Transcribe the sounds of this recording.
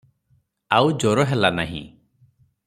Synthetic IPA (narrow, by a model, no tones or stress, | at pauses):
awd͡ʒɔɾɔɦɛlana̰ɦḭ̃